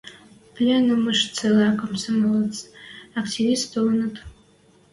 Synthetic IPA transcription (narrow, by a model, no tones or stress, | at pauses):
pʰlʲenɨmɨʂt͡sʰalakʼamsɨmɨlɨt͡sʼakʰtʰivistʰolnɨtʼ